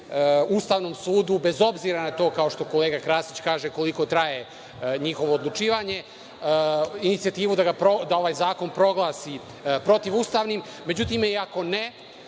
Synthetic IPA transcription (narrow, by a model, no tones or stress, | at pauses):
ust̪aːʋno̞msuːd̪ube̞zo̞bziɾanat̪o̞ːkao̞ʃt̪o̞ko̞leːɡakɾaːsit͡ɕkaːʒeko̞liko̞t̪ɾaje | ɲixo̞ʋo̞ːd̪lˠut͡ʃiːʋaɲe̞ | init̪siat̪iːʋud̪aɡapɾod̪ao̞ʋaːjzaːko̞npɾo̞ɡlˠaːsi | pɾo̞t̪iʋust̪aːʋnimːe̞d͡ʑut̪imiako̞ne